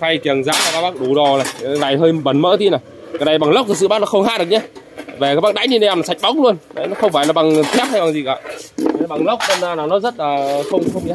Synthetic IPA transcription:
fa˧jki˨˩əŋza̰ː˧˥t͡ɕaː˧˩kaː˦˥kɓaː˦˥k̚ɗu˨˩ɗɔ˨˩laː˨˩jlaː˨˩jɦəː˧jɓə˨˦nmə̰ː˧˥t̪i˧naː˨˩j | kaː˨˩na˨˩jɓa˨˩ŋlə˦˥k͡p̚t̪ɨ˨˩sɨ̰˧˨aː˦˥nɔ˨˦xə˧wŋ͡mɦa̰ː˧˥˨ɗəɲɛ˧ | ve˨˩aː˦˥ɓaː˦˥ɗa̰ː˧˥jɲi˧nɗe˧˨a˧naː˨˩sa˨˩jk̚ɓa˨˦wk͡pŋ͡m̚lu˧ənnə˨˦jnɔ˨˦xə˧wŋ͡mfaː˧˩jlaː˨˩ɓa˨˩ŋt̪ʰɛ˦˥p̚ha˧jɓa˨˩ŋzi˨˩kaː˨˧˨ɓa˨˩ŋlə˦˥wk͡p̚t̪ə˧nzaː˧naː˨˩wnɔ˨˦zə˦˥t̚laː˨˩xə˧wŋ͡mxə˧wŋ͡mi˧

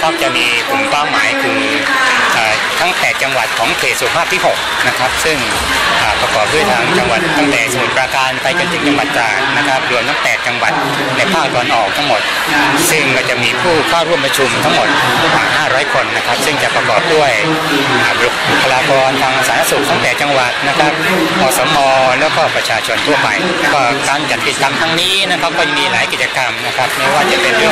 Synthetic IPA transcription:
kʰaː˥˩p̚t͡ɕa˨˩miː˧kʰu˨˩mkaː˥˩wmːaː˨˩˦jkʰɯː˨˩˦ŋ | ʔaː˨˩ | t̪ʰa˦˥ŋpɛː˨˩t̪̚t͡ɕa˧ŋwa˨˩t̪̚kʰɔː˩˦ŋpʰeː˨˩su˨˩ə˦pʰaː˥˩p̪̚ʰiː˥˩ɦo˨˩k̚na˦˥kʰa˦˥p̚sɯ˥˩ŋ | ʔaː˨˩pɾa˧kɔː˨˩p̚du˥˩əjt̪ʰaː˧ŋt͡ɕa˧ŋwa˨˩t̪̚ːa˥˩ŋt̪ɛː˨˩sa˧nu˨˩˦pɾaː˧kaː˧npa˧jt͡ɕa˧nt̪ʰɯː˨˩˦ŋt͡ɕa˧ŋwa˨˩t̪̚t͡ɕaː˨˩t̪̚na˦˥kʰa˦˥p̚du˧˩ənt̪ʰa˦˥ŋpɛː˨˩t̪̚t͡ɕa˧ŋwa˨˩t̪̚ | na˧jpʰaː˥˩k̚t̪ɔː˧nʔɔː˨˩k̚t̪ʰa˦˥ŋmo˨˩t̪̚ | sɯ˥˩ŋkɔː˥˩t͡ɕa˨˩ʔmiː˧pʰuː˥˩kʰɔː˥˩wɾu˥˩əmpɾa˧t͡ɕʰu˧mt̪ʰa˦˥ŋmo˨˩t̪̚ | ɾa˧wa̰ː˨˩ŋɦaː˥˩ɾɔː˦˥jkʰo˧nːa˦˥kʰa˦˥p̚sɯ˥˩ŋt͡ɕa˨˩pɾa˧kɔ̰ː˨˩p̚du˥˩əj | ʔaː˨˩lu˨˩k̚u˨˧pʰa˧laː˧kɔː˧nt̪ʰaː˧ŋʔa˧saː˨˦˥nʰa˥˩su˨˩k̚t̪ʰa˦˥ŋpɛː˨˩t̪̚t͡ɕa˧ŋwa˨˩t̪̚na˦˥kʰa˦˥p̚ | kʰɔː˧sɔː˩˦mɔː˧lɛː˦˥wkɔː˥˩pɾa˧t͡ɕʰaː˧t͡ɕʰo˧nt̪ʰu˥˩ɐpa̰˧jkɔː˥˩kaː˧nt͡ɕa˨˩t̪̚ki˨˩t͡ɕa˧ka˧mt̪ʰa˧ŋniː˦˥na˦˥kʰa˦˥p̚kɔː˥˩ja˧ŋmiː˧laː˨˩˦jki˨˩t͡ɕːa˧ka˧mna˦˥kʰɾa˦˥p̚ma˦˥˩waː˥˩t͡ɕa˨˩pe˧nɯ˥˩

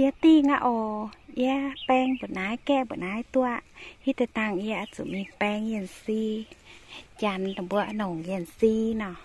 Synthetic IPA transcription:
i˧ə˧˦t̪iː˧˩ŋa̰˧ʔɔ˧˩ʔi˧ə˧pɛ˧ŋbɔ˨naː˨˧˦jkɛ˧˨bɔ˨naː˧˦jt̪u˧aʔhi˧t̪ɛ˧˨t̪a˧ŋʔi˧ə˧ʔa˧su˨mi˧pɛ˧ŋi˧ənsi˧ | t͡ɕa˧nt̪a˨ŋbu˧əʔno˨˩ŋhi˧ə˨nsi˧nɔ˧˩

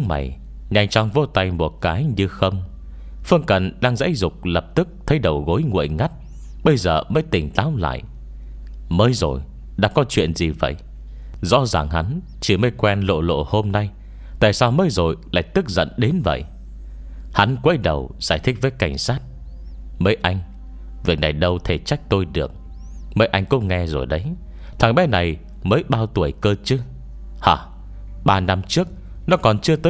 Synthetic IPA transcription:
ŋma̰˨˩j | ɲa˧jŋt͡ɕɔ˧ŋ͡mvo˧t̪a˧jmo˨˩t̚kaː˨˦jɲɨ˧xə˧wŋ͡m | fɨ˧əŋkə˨˩nɗaː˧ŋza̰ː˧˥jzʊ˨˩k͡p̚lə˨˩p̚t̪ɨ˦˥k̚t̪ʰə˨˦jɗə˨˩wɣo˨˦jŋṵ˧˨əjŋa˦˥t̚ | ɓə˧jzəː˨˩məː˨˦jt̪ï˨˩ŋ̟t̪aː˨˦wla̰ː˧˨j | məː˨˦jzo˨˩j | ɗa̰ː˧˥kɔ˨˦t͡ɕwḭ˧˨ənzi˨˩və̰˧˨j | zɔ̰˧˥zaː˨˩ŋha˨˦n | t͡ɕi˧˩məː˨˦jkwɛ˧nlo̰˧˨lo̰˧˨ho˧mna˧j | t̪a̰ː˧˨jsaː˧wməː˨˦jzo˨˩jla̰ː˧˨jk̚t̪ɨ˦˥k̚zə̰˧˨nɗe˨˦nvə̰˧˨jʔ | ha˨˦nkwə˨˦jɗə˨˩wz̥aː˧˩jt̪ʰï˦˥k̚vəː˨˦jka˧˩jŋ̟saː˦˥t̚ | məː˨˦jʔa˧jŋ̟ | vi˨˩ək̚na˨˩jɗə˧wt̪ʰe˧˩t͡ɕa˦˥jk̟̚t̪o˧jɗɨ˨˩ək̚ | məː˨˦jʔa˧jŋ̟kʊ̰˧˥ŋ͡mŋɛ˧zo̰˨˩jɗə˨˦j | t̪ʰaː˨˩ŋɓɛ˨˦˥na˨˩j | məː˨˦jɓaː˧wt̪u˨˩əjkəː˧t͡ɕɨ˨˦ | haː˨˩ | ɓaː˧na˧mt͡ɕɨ˦˥ək̚ | nɔ˨˦kɔ˨˩nt͡ɕɨ˧ət̪əː˨˦

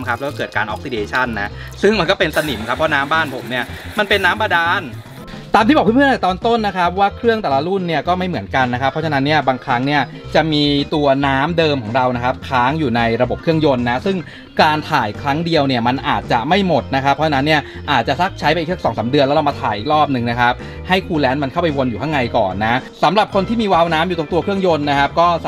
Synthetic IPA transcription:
kʰa˦˥p̚lkɔː˥kɤː˨˩t̪̚kaː˧nʔɔ̰ː˦k̚si˧deː˧t͡ɕʰa˥˩nːa˦˥ʔsɯ˥˩ŋma˧nkɔː˥˩pe˧nsa˧ni˩˦mkʰa˦˥pʰːɔ˦˥naː˦˥mbaː˥˩npʰo˩˦mni˥˩ɐma˧npe˧nːaː˦˥mba˧daː˧n | t̪aː˧mʰiː˥˩ɔː˨˩k̪ʰːt̪ɔː˧nt̪o˥˩nːa˦˥kʰa˦˥p̚waː˥˩kʰɾɯ˥˩əŋt̪ɛː˨˩la˧ɾu˥˩nːi˥˩ɐkɔː˥˩ma˥˩jmɯ˩˦ənka˧nːa˦kʰa˦˥pʰːɾɔ˦˥t͡ɕʰa˧na˦˥nːi˥˩ɐbaː˧ŋkʰɾa˦˥ŋni˥˩ɐ | t͡ɕa˨˩ʔmiː˧t̪u˧ɐnaː˦˥mdɤː˧mkʰɔː˩˦ŋɾa˧wna˦˥kʰa˦˥p̚kʰɾaː˦˥ŋjuː˨˩na˧jɾa˧bo˨˩p̚kʰɯ˥˩əŋjo˧nːa˦˥sɯ˥˩ŋ | kaː˧nt̪ʰaː˨˩jkʰɾa˦˥ŋdi˧əwni˥˩ɐma˧nʔaː˨˩t̪̚t͡ɕa˨˩ma˥˩jmo˨˩t̪̚na˦˥kʰa˦˥pʰːɔ˦˥t͡ɕʰa˧na˦˥nːi˥˩ɐ | ʔaː˨˩t̪̚t͡ɕa˨˩sa˦˥k̚t͡ɕʰa˦˥jpa˧ʔiː˨˩sʰa˩˦˥sɔː˩˦ŋsaː˩˦mdɯ˧ənlɛ˦˥ɾa˧wma˧t̪ʰaː˨˩jʔiː˨˩k̚ɾɔː˥˩p̚nɯ˨˩ŋna˦˥kʰa˦˥p̚ | ha˥˩jkʰuː˧lɛː˦˥nma˧nkʰa˥˩wpa˧jwo˧njuː˨˩kʰa˥˩ŋa˧jkɔ̰ː˨˩nːa˦˥sa˩˦mɾa˨˩p̚kʰo˧nt̪iː˥˩miː˧waː˧wnaː˦˥mjuː˨˩˧ŋt̪u˧ɐkʰɯ˥˩əŋjo˧nːa˦˥kʰa˦˥p̚kɔː˥˩

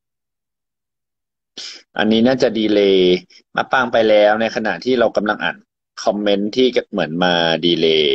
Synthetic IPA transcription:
ʔa̰˧nːiː˦˥naː˥˩t͡ɕa˨˩diː˧leː˧ | ma̰ː˧paː˧ŋpa˧jlɛː˦˥wna˧jkʰa˧na̰˨˩ʔt̪ʰiː˥˩ɾa˧wka˧mla˧ŋʔa̰ː˨˩n | kʰɔ˧mːe˦˥nt̪ʰiː˥˩kmɯ˩˦ənmaː˧diː˧leː˧

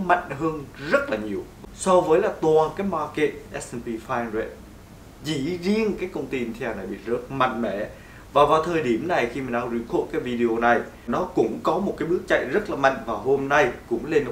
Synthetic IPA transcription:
ma̰˧˨jŋ̟ɦəː˧nzə˦˥t̚laː˨˩ɲi˨˩əwsɔ˧wvəː˨˦jlaː˨˩t̪waː˨˩nkaː˨˦jmaː˧ke˧˨˩t̚ʔɛ˦˥sʔɛ˧npi˧faː˧nzɛ˧˩t̚ | zḭ˧˩˥zi˧ənkaː˨˦jkə˧wŋ͡mt̪i˧t̪ʰa˧˩na˨˩jɓḭ˧˨zə˦˥t̚ma̰˧˨jŋ̟mɛ̰˧˩˨ | vaː˨˩wvaː˨˩wt̪ʰəː˨˩jɗi˧˩əmna˨˩jxi˧maː˨˩nʔaː˧zi˧kʰo̰˧˨kaː˨˦jvi˧ɗi˨o˧na˨˩j | nɔ˨˦kʊ̰˧˥ŋ͡mkɔ˨˦mo˨˩t̚kaː˨˦jɓɨ˦˥ək̚t͡ɕa̰˧˨jzə˦˥t̚laː˨˩ma̰˧˨jŋ̟vaː˨˩wɦo˧mna˧jkʊ̰˧˥ŋ͡mle˧n˨˩

